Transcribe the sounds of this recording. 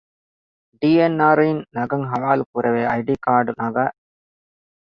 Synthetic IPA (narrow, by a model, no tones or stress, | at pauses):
ɖiːenːaːɾinnɐɡɐŋɦɐʋaːlukuɾʔɐʋeːɐjɖiːkaːɾɖunɐɡaː